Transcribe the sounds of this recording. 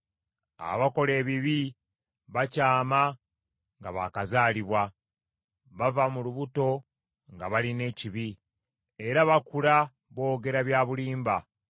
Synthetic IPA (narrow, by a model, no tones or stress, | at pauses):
a̰βako̞le̞ːβiβi | βacaːma | ŋɡaβa̰kazaːliβwa | βavamuluβuto̞ | ŋɡaβaline̞ːciβi | e̞ɾaβakula | βo̞ːɡe̞ɾaβjaːβuliːmba